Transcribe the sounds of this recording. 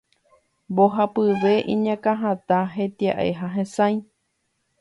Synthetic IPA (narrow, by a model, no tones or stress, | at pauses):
boɦapɨʋe̞ʔĩɲãkãɦãt̪aɦet̪iaʔḛɦaɦẽsãj̃